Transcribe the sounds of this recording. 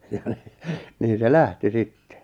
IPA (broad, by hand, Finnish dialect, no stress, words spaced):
jɑ̥ n̥i̥ niːn̞ se læhti sitːe